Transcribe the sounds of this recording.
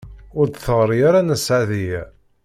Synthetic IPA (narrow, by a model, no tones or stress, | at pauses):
ʊɾd̪θəʁɾˤijaɾanəsʕaðijæ